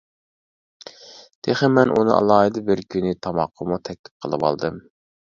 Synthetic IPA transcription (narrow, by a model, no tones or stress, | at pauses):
d̪̥ʰeχəmɛnʔunɨ̰ʔɑ̰lˠɑːɦɨd̪ɨbɪɾkʲynɪt̪ʰɑmɑqʰːəmut̪ʰɛk̚ʲt̪ʰɪ̥p̚qʰəlˠɨ̰wɑ̰lˠd̪ɨm